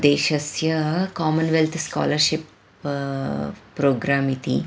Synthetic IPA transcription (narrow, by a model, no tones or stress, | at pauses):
d̪eːʃɐsjɐkaːmɐnʋelt̪ʰska̰ːlɐɾʃip | ɾoːɡɾaːmit̪ḭ